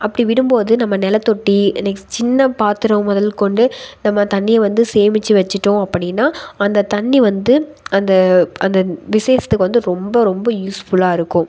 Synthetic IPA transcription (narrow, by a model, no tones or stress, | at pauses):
ɐpːɐɽiʋɪɽɯmboːðɯnɐmːɐnɛlɐt̪ːɔʈːiɪnːɐkːt͡ʃɪnːɐpaːt̪ɪɾɐ̃mːɔðɐlkɔɳɖɯnɐmːɐt̪ɐɳːɪjɐʋɐnd̪ɯseːmɪt͡ʃːɯʋɐt͡ʃːɪʈːõɐpːɐɽɪnːaːɐnd̪ɐt̪ɐɳːiʋɐnd̪ɯɐnd̪ɐʔɐnd̪ɐʋɪsɐjɐsɐ̥t̪ːɯkːɯʋɐnd̪ɯɾɔmbɐɾɔmbɐjuːsfʊlaːɪɾɯkːʊ̃